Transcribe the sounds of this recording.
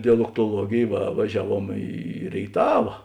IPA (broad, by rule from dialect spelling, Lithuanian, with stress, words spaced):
dʲɛlˠoːktoːˈlˠuɔɡʲeːj ʋɐ ʋɐˈʒʲæːˌʋuɔm iː rʲeːɪˈtɑːʋɐ